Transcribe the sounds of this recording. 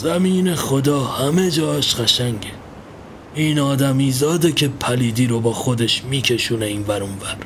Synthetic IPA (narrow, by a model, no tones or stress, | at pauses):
zæmiːne̞xod̪ɒːhæme̞d͡ʒɒːʃɢ̥æʃæŋɟe | iːnɒːd̪æmiːzɒːd̪ecʲʰe̞pʰæliːd̪iːɾobɒːxod̪e̞ʃmiːcʰe̞ʃuːneiːnvæɾunvæɾ